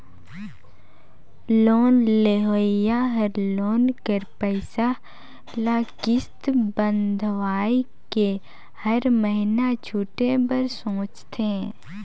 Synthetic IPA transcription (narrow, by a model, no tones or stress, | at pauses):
loːnleɦoːɪjaɦəɾloːnkəɾpəɪsa | laːkɪst̪bə̃nd̪ʱʋaːi | ke | həɾməɦɪnat͡ʃʰuːʈebəɾsõːt͡ʃt̪ẽ